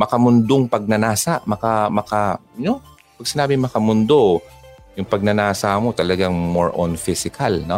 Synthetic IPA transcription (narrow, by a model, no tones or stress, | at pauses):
mɐkɐmʊnd̪oŋpɐɡ̚nɐnaːsaʔmɐkamɐkano | pɐɡ̚sɪnaːbɪŋmɐkɐmʊnd̪o̞ | jʊŋpɐɡ̚nɐnaːsamo̞t̪ɐlɐɡaŋmoɹʔonfɪsɪkʰɐlno